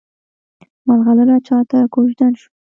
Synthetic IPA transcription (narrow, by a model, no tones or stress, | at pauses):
malɣaləlat͡ʃɑt̪akoʒd̪anʃu̥